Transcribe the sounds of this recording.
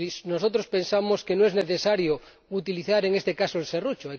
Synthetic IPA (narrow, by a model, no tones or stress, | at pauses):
isnosot̪̬ɾospe̞nsamoskenõeneθesaɾjo | ut̪iliθaɾeŋest̪ekasoelserut͡ʃoaj